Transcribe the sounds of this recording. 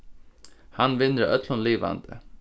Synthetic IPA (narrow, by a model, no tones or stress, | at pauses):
hanʋɪnːɾaʔœt̪lʊnliːʋa̰nd̪ə̰